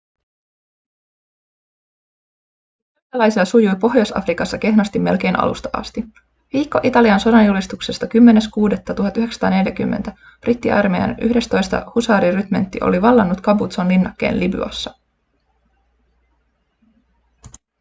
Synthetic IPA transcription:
ɑlɑjsilːɑsujujpo̞ɦjosɑ̰frikɑsːɑke̞ɦnɑst̪imːe̞lk̟e̞jnʔɑ̰lṵst̪ɑʔɑ̰st̪i | ʋiːkːo̞ʔit̪ɑliɑnso̞dɑnjulist̪ukse̞st̪ɑkymːe̞ne̞skuːdet̪ːɑt̪uɦɑt̪ːyɦe̞kst̪ɑ̰ːne̞ljækymːent̪æ | b̥rit̪ːiʔɑrmejɑ̰nʔy̰hde̞st̪o̞jst̪ɑ̰husɑːɾiryt̪me̞nt̪ːḭʔo̞̰liʋɑlːɑnːut̪kɑbut̪sonlinːɑkːe̞̰ːnliby̰ɑ̰sːɑ

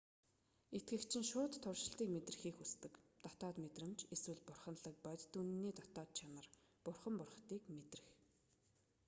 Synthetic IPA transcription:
et̪̚ɡɘ̆kt͡ɕʰɪ̆ŋʃʊːt̪ʰːʊrʃɪ̆ɬt̪iːkmet̪rɘ̆xiːxust̪ɘ̆kt̪ɔ̥t̪ɔːt̪met̪rɘ̆mt͡ɕeswɘ̆ɮpʊrχə̆nɮə̆k̚pæt̪t̪ːunːiːt̪ɔt̪ɔːt̪̚t͡ɕʰamə̆r | pʊrχə̆mpʊrχt̪iːkmet̪rɘ̆x

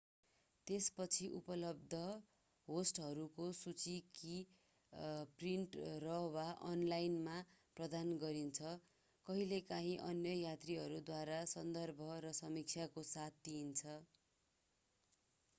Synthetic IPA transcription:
t̪espʌt͡sʰiʔupʌlʌb̚d̪ʱʌ | ɦosʈɦʌɾukosut͡siki | priɳʈrʌwaʔʌnlajnmaprʌd̪anɡʌɾint͡sʰʌ | kʌɦilekaɦĩʔʌnjʌjat̪riɦʌɾud̪waɾasʌnd̪ʌrbʱʌɾʌsʌmik̚t͡sʰjakosat̪̚d̪int͡sʰʌ

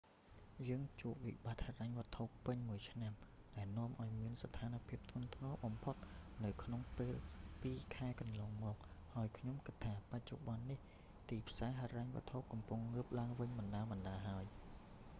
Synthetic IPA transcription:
jəːŋt͡ɕuəʔ̚ʋḭɓat̪̚haːraŋʋɨ̆ət̪ʰopːɨɲmuəjt͡ɕʰnam | ɗaɛlnŏəmʔaɔjmiənsat̪ʰaːnapʰiəp̚t̪ʰʊ̆ənt̪ʰŋɑːɓɑmpʰot̪̚nɨwkʰnoŋpeːlpiːkʰaɛkɑnlɑːŋmɔːk̚haəjkʰɲomkɨt̪ʰːaːpac̚t͡ɕo̰ɓɑnːih | t̪iːpʰsaːɦaːɾaŋʋɨ̰̆ət̪ʰop̚kɑmpuŋːɨːp̚laəŋʋɨɲmɑnɗaːmɑnɗaːɦaəj

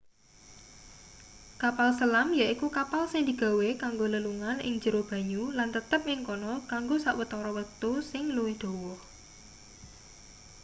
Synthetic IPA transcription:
kapalsəlamjaʔikukapalsɪŋd̪i̤ɡ̥a̤wekaŋɡoləluŋanɪ̰ŋd͡ʒəɾob̥ä̤ɲulant̪ət̪əp̚ɪŋkɔnɔkaŋɡosaʔwət̪ɔɾɔwək̚t̪usɪŋluwɪhd̪̥o̤wɔh

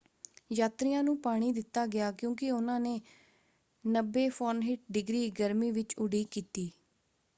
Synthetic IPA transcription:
jaːt̪ɾɪjãːnũːpaːɽ̃iːd̪ɪt̪ːaːɡɪjaːkjõːkɪʊnãːneː | nəbːeːpʰoːnɦɪʈ̚ɖɪɡɾiːɡəɾmiːʋɪt͡ʃʊɖiːkiːt̪iː

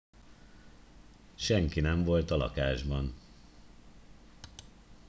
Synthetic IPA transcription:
ʃɛŋkinɛɱvo̞lt̪ɒlɒ̰kaːʒbɒn

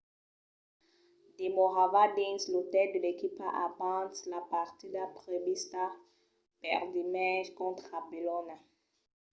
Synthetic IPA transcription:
d̪emoʁavadĩnslot̪ɛldəlekipaʔapãslapaʁt̪id̪apʁebist̪a | pɛ̰ʁdimɛʒkɔ̃t̪χabilɔna

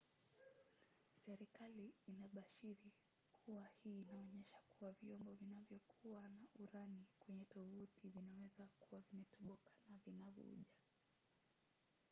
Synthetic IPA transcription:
sɛɾikaliːnaɓaʃiɾi | kʰuwahiːnaɔɲɛʃḁkuwavjɔmbɔvinavjɔkʰuwanaʔuɾanikwɛɲɛtɔvutʰivinawɛzakuwavimɛtʰɔɓɔkḁnavinavṵʄa

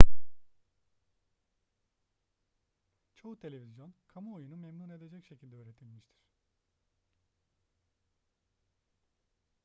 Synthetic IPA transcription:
t͡ʃʰo̞ut̪ʰe̞lʲe̞vizjo̞nkʰamuojunumemnuːne̞d̪e̞d͡ʒɛcʃecʰilʲd̪ɛøːɾe̞t̪ʰilʲmiʃt̪ʰiɾ̝̥

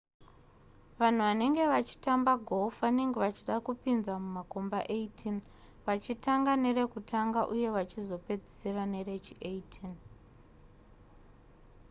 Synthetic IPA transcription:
ʋan̤uʋane̞ŋɡe̞ʋat͡ʃi̥tambaɡʱofaneŋɡeʋat͡ʃiɗakupinzamumako̞mbaʔeitʰin | ʋat͡ʃitaŋɡane̞re̞kutaŋɡaʔuje̞ʋat͡ʃizo̞pe̞d͡zi̥serane̞ret͡ʃiʔeitʰin

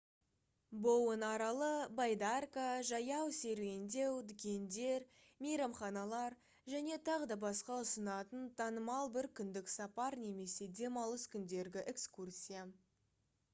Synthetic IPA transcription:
bo̞wənɑɾɑlˠəbajd̪arkaʒɑjɑwse̞ɾwe̞nd̪e̞wd̪ʏkʲe̞nd̪e̞ɾ | mejɾɑmχɑnɑlˠɑɾ | ʒæne̞t̪ʰɑʁəd̪ɑbɑsqɑʊsənɑt̪ənt̪ʰɑnəmɑlˠbɪɾkʲʰʏnd̪ɪksɑpɑɾne̞me̞se̞d̪ʲe̞mɑlˠəskʲʰʏnd̪e̞ɾɡʲɪʔekskursʲija

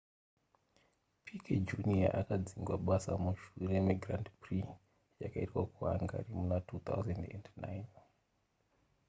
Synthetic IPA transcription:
pʰikʰed͡ʒunia̰ʔakad͡ziŋɡwaɓasamuʃuremiɡrantpri | jakaitwakuɦa̰ŋɡa̰rimunatʰuːt̪ʰa̰wzendḛndnajn

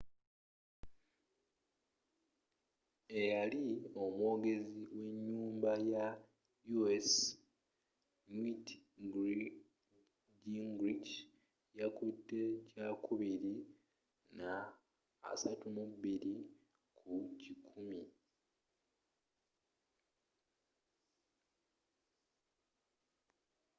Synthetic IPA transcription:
e̞jalio̞mwo̞ːɡe̞ziwe̞ɲːuːmbaja | jues | nwitɡi | ɟiŋɡɾic | jakutːe̞cakʰuβiɾi | na̰ː | satumuβiɾi | kʰucikʰumi

